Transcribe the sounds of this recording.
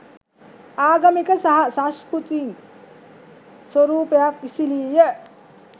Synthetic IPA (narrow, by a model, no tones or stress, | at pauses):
aːɡamikəsaɦasãskɾut̪in | swoɾuːpejakisiliːjə